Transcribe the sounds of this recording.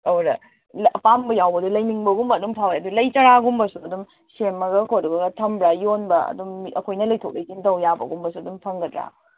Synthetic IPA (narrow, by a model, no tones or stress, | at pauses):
ɐwɾɐ | lɐpambɐjawbɐdulɐjmiŋbɐɡumbɐːdumpʰawjeɐdulɐjt͡ʃɐɾaɡumbɐsuɐdum | semːɐɡɐkʰojɾuɡɐɡɐtʰɐmbɾajonbɐɐ̰dumɐkʰojnɐlɐjtʰok̚lɐjsintɐwjabɐ̰ɡumbɐsuɐdumpʰɐŋɡɐdɾa̰